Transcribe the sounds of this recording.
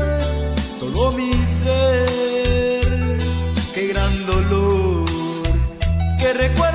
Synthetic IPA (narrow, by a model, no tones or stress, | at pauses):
ɾsonomise | ɾ | keɣɾãnd̪olo | ɾkerekwe